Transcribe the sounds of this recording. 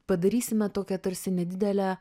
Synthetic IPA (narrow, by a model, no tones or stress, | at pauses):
pɐd̪ɐɾʲiːsʲɪmʲɛt̪oːkʲɛt̪ɐɾʲsʲɪnʲɛd̪ʲɪd̪ʲɛlʲæ